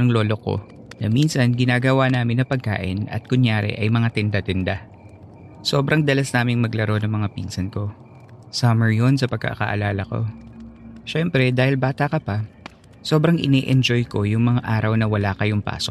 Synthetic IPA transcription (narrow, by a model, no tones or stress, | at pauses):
ɐŋlo̞ːlo̞ko̞̰ | nɐminsɐnɡɪnaːɡɐwanaːmɪnːɐpɐɡ̚ka̰ːʔɪ̰nɐ̰t̪̚kʊɲjaːɾɛ̰ʔɐjmɐŋat̪ɛnd̪at̪ɛnd̪a | soːbɾɐŋd̪ɐlɐsnaːmɪŋmɐɡlɐɾo̞nɐŋmɐŋapḭːnsɐnko̞ | sɐmɛɹjo̞nsɐpɐɡ̚kɐ̰ʔkɐ̰ʔɐ̰laːlɐko̞̰ | ʃɛmpɾɛd̪aːhɪlbaːt̪akɐpɐ | so̞ːbɾɐŋʔɪ̰nɛːʔɛnd͡ʒojko̞jʊŋmɐŋaʔaːɾɐwnɐwɐlaːkɐjʊŋpa̰ːsok